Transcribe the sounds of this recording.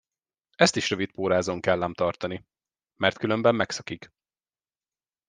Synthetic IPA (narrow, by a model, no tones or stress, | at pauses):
ɛst̪iʃrø̞vit̪̚poːɾaːzoŋkɛlːɛmt̪ɒrt̪ɒni | mɛrt̪kylø̞mbɛmːɛksɒkik